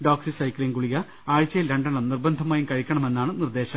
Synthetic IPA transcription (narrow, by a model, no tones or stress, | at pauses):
ɖoːksisɐjkliːnɡuɭiɣɐ | aːɻit͡ɕːɐjilɾɐɳɖɐɳɐmnirbɐnd̪ʱɐmaːjumkɐɻikʲːɐɳɐme̞nːaːɳɨnird̪e̞ːɕɐm